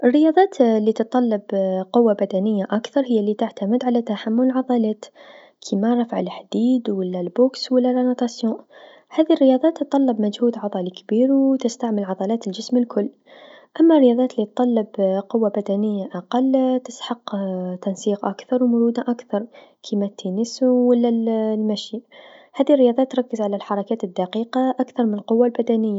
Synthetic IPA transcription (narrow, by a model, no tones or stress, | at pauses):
ʔɪrːɪjɑːðˤɑːt̪lːit̪ɨt̪ˤːɑlːɑbqʊwːabad̪anɪjːaʔakθɑɾˤhɪjːalːit̪aʕt̪amɪd̪ʕalat̪aħamːʊllʕɑðˤɑlaːt̪ | kʰimaɾˤɑfʕalħd̪iːd̪wɪlːalboːkswɪlːalanat̪ˤɑsjõːʔ | haːðirːɪjɑːðˤɑːt̪ːɨt̪ˤːɑlːɑbmad͡ʒhuːd̪ʕɑðˤɑːlikbiːɾwt̪ɪst̪aʕmɪlʕɑðˤɑlaːt̪ɪld͡ʒɪsmɪlkʰʊlː | ʔamːarːɪjɑːðˤɑːt̪lit̪ˤːɑlːɑbqʊwːabad̪anɪjːaʔaqɑlt̪ɪsħɑqt̪ɑnsiːqʔakθɑɾwmʊɾuːd̪aʔakθɑɾˤkʰimat̪ʰːinɪsuwɪlːallmæʃiʔhæːðirɪjɑːðˤɑːt̪ːɾˤɑkːəzʕalalħɑɾˤɑkaːt̪ɪd̪ːaqiːqɑʔakθɑɾˤmɪnəlqʊwːalbad̪anɪjːa